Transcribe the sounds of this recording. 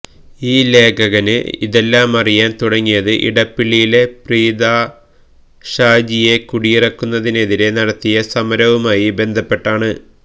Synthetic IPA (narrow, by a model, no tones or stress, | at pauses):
iːle̞ːkɐɣɐnɨ̰ḭðe̞lːaːmɐrijaːnt̪uɽɐŋːijɐðɨʔḭɽɐpːiɭːijile̞priːd̪aː | ɕaːd͡ʑije̞kuɽijirɐkːunːɐðine̞ðile̞nɐɽɐt̪ːijɐsɐmɐɾɐʋumaːjibe̞nd̪ʱɐpːe̞ʈːaːɳɨ